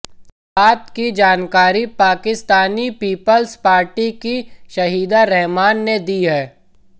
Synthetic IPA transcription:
aːt̪kid͡ʒaːnkaːɾipaːkɪst̪aːnipiːpəlspaːɾʈikiʃɐɦiːd̪aɾɛɦmaːnːed̪iːɦɛː

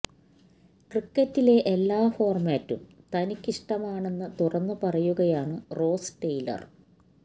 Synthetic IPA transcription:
krikːɐtːile̞ʔelːaːfo̞ːrmaːtːumt̪ɐnikʲːiʂʈɐmaːɳe̞nːɐt̪urɐnːɨpɐrɐjuɣɐjaːɳɨro̞ːsʈejlɐ̰r

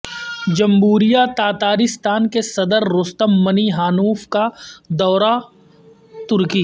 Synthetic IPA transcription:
d͡ʒɐ̃mɦuːɾijat̪aːt̪aːɾɪst̪aːnkesɐd̪əɾːʊst̪əmːɐniɦaːnuːfkad̪ɔːɾa | t̪ʊɾkiː

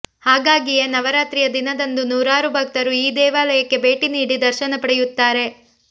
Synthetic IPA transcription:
haːɡaːɡijenɐʋɐɾaːt̪ɾijɐd̪inɐd̪ɐnd̪unuːɾaːɾubʱɐk̚t̪ɐɾuiːd̪ɛːʋaːlɐjɐkːe̞be̞ːʈiniːɽid̪ɐɾʃɐnɐpɐɽejut̪ːaːɾe̞

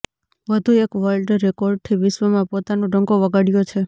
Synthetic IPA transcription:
ʋəd̪ʱuekʋəɾlɖɾekoɾɖ̚t̪ʰiʋɪʃʋəmãpot̪anoɖʱə̃ŋɡoʋəɡaɽjot͡ʃʰe

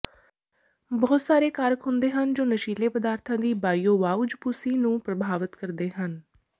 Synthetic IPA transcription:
bɔːt̪saːɾeːkaɾəkɦʊnd̪eːɦənd͡ʒoːnəʃiːleːpəd̪aːɾt̪ʰãːd̪iːbaːiːoːʋaːud͡ʒpʊsiːnũːpɾəbʱaːʋət̪kəɾd̪eːɦən

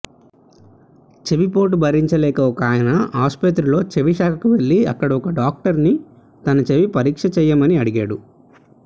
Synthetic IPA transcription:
t͡ʃeʋipo̞ːʈubɐɾiɲt͡ʃɐlɛːkɐɔkaːjɐnɐɦaːspɐt̪ɾulo̞ːt͡ʃe̞ʋiʃaːkʰɐkuʋe̞ɭːiɐ̰kːɐɽɐɔkɐɖaːk̚ʈɐɾni | t̪ɐnɐt͡ʃeʋipɐɾiːkʂɐt͡ʃɛːjːamɐniɐɽiɡaːɽu

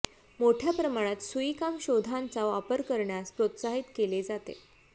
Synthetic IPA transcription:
moʈʰjapɾəmaɽ̃at̪sujkamɕod̪ʱant͡saʋapəɾkəɾɳjaspɾot̪saɦit̪keled͡zat̪ḛ

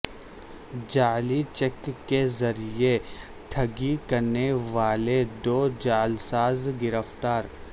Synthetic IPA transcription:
d͡ʒaːlit͡ʃɛkːezɐɾie | ʈʰɐɡikɐɾneʋaːled̪oːd͡ʒaːlsaːzɡɪɾəft̪aːɾ

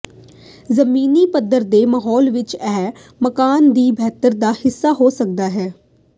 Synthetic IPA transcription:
zəmiːniːpəd̪əɾd̪eːmaɦɔːlʋɪt͡ʃɛː | məkaːnd̪iːbʱɛːt̪əɾd̪aːhɪsːaːɦoːsək̚d̪aːɦɛː

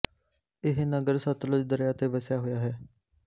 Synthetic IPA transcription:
ɪɦnəɡəɾsət̪lʊd͡ʒd̪əɾjaːt̪eːʋəsjaːɦoːjaːɦɛː

